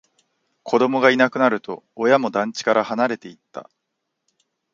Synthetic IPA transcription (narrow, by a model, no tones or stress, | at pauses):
kʰo̞d̪o̞mo̞ɡainakɯ̟naɾɯ̟t̪o̞̰ːjamo̞d̪ãɲ̟t͡ɕi̥kaɾahanaɾe̞t̪e̞it̪ːa̰